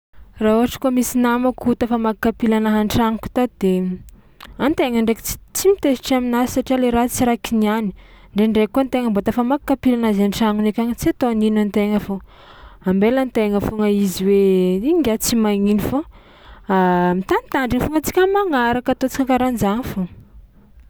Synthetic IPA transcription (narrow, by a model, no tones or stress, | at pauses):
rauɦaʈ͡ʂə̥kuamisinamakut̪afamakkːapilanaɦaɳʈ͡ʂaŋku̥t̪ad̪̥e | ant̪eŋəɳɖ͡ʐekt͡si̥t͡simit̪esi̥ʈ͡ʂaminasi̥saʈ͡ʂialeɾat͡siɾakiniani̥ɳɖ͡ʐeɳɖ͡ʐekːuant̪eŋəmbot̪afamakkːapilanazaɳʈ͡ʂaŋunekʲaŋit͡siat̪oninant̪eŋəfo | ambelant̪eŋəfuŋaiziweiŋɡʲat͡simaŋinifo | amit̪anit̪aɳɖ͡ʐiŋfuŋat͡si̥kʲəmaŋaɾakat̪ot͡si̥kakaɾand͡ʒanfo